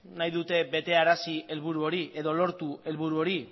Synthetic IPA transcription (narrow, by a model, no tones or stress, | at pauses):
najðut̪e̞be̞t̪e̞aɾasie̞lβ̞uɾuo̞ɾiʔe̞ðo̞lo̞ɾt̪ue̞lβuɾuo̞ɾi